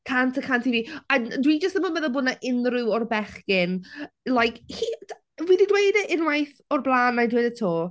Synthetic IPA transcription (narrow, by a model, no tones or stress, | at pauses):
kʰantʰəkʰantʰiviːandwid͡ʒəstəmənmɛðəbʊdnaʔɪnrʊwɔrbɛχkɪn | lˠajkʰhi | vwididwejdəʔɪnwajθɔrblˠaːnajdwejdətʰoː